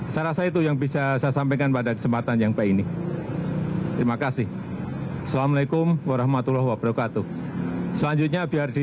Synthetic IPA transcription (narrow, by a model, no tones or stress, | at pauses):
saɾasait̪̬ujaŋbisasajasampekanpadakə̥səmpat̪anjaŋpaini | t̪əɾimakasɪh | asalamalakʊmwaɾahmat̪ulɔhwabɾakat̪u | səlaɲd͡ʒut̪̚ɲabiardi